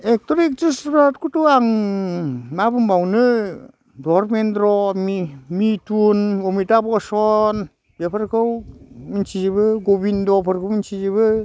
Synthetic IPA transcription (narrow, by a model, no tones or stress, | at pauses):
ek̚toɾik̚d͡ʒɯspɾat̚kutuaŋ | mabɯmbawnɯ | dɔɾmenɾɔmimitunomitabɔsɔn | bepʰaɾkʰɯwmint͡ʃizebɯɡobindɔpʰɯɾkʰɯwmint͡ʃizebɯ